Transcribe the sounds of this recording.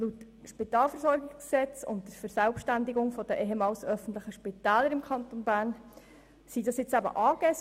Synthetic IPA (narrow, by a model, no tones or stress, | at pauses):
lut | ʃpitɑːlfəɾsɔɾɡɪɡssɛt͡sʊ̰nt̚d̥əɾfəɾsælpʃtændɪɡʊŋfɔd̥əʔɛɦemɑːlsœfən̩t̪lɪχəʃpɪtæːləɾɪmkʰχɑntonbæːɾn | sidɑsjɪt͡sæbə̰ʔɑːɡɛs